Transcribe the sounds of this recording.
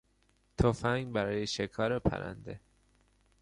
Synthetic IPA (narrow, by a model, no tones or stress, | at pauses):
t̪ʰofæŋɡbæɾɒːjeʃekʰɒːɾepʰæ̰ɾæ̰nd̪e